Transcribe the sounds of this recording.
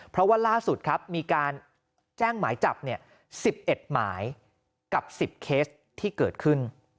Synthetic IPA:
pʰɾɔ˦˥waː˥˩laː˥˩su˨˩t̪̚kʰɾa˦˥p̚miː˧kaː˧n | t͡ɕɛː˥˩ŋmaː˩˦jt͡ɕa˨˩p̚ni˥˩ɐ | si˨˩p̚ʔe˨˩t̪̚ma̰ː˩˦j | ka˨˩p̚si˨˩p̚kʰeː˦˥s | t̪ʰːiː˥˩kɤː˨˩t̪̚kʰɯ˥˩n

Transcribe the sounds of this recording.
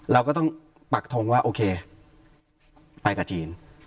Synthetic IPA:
ɾɛː˧wkɔː˥˩t̪̬ɔ˥˩ŋ | pa˨˩k̚t̪ʰo˧ŋwaː˥˩ʔoː˧kʰeː˧ | pa˧jka˨˩t͡ɕiː˧n

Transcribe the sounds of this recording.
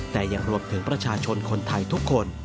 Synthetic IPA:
t̪ɛː˨˩ja˨˩ŋɾu˧əmt̪ʰɯ˩˦ŋpɾa˧t͡ɕʰaː˧t͡ɕʰo˧nkʰo˧nt̪ʰa˧jt̪ʰu˦˥kʰːo˧n

